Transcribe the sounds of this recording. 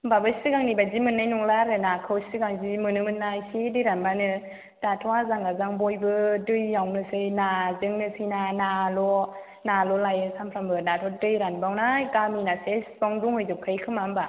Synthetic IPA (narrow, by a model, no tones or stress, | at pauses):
babɯsɯɡaŋnibazimɯnːajnɔŋlaɾɯnakʰɯwsɯɡaŋzimɯnɯmɯnːajsidɯjɾanbanɯ | d̥atʰɔwazaŋɡazaŋbɔjbɯdɯjːawnɯsɯjnazɯŋnɯsɯjnanalɔ | nalɔlajɯsampʰɾambɯdatʰɔdɯjɾanbawnajkaminasesbɔŋduŋhɯjzɯkʰɯjkʰɯmamba